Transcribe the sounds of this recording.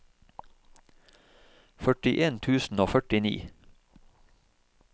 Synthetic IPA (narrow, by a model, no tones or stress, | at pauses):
fœʈɪʔeːnt̪ʰʉːsn̩oːfœʈɪnḭː